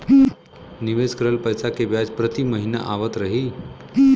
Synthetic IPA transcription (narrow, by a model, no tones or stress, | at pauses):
niʋeskəɾəlpəjsakeʋjad͡zpɾət̪iməɦina̰ʔaʋət̪ɾəɦi